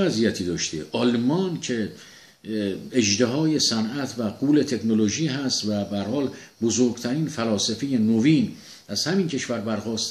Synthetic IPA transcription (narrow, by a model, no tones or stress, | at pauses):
æzijæt̪ʰiːd̪ɒːʃt̪ʰeʔɒlmɒːncʰe | eʒd̪eɦɒːje̞sænæt̪ʰvæɡuːle̞t̪ʰe̞kʰnoloʒiːɦæst̪væbæhæɾhɒːl | bozoɾɡt̪ʰæɾiːnfælɒːsefejenoviːn | æzhæmiːncʰe̞ʃvæɾbæɾxɒːst̪